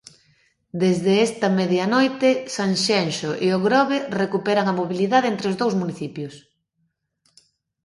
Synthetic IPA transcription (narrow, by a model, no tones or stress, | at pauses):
d̪ezðeɛst̪ɐmɛðjɐnɔjt̪ɪsaŋʃɛnʃoʔeoɣɾɔβerekupɛɾɐŋɐmoβiliðaðent̪ɾeozðowzmuniθipjʊs